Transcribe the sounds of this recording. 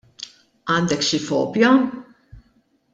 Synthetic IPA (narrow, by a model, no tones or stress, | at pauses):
ɐːnd̪ɛkʃifɔ̰ːpjɐ